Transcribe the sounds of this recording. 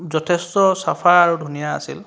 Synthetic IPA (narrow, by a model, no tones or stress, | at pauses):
zɔtʰestɔsapʰaaɹudʱunija̰ːsḭl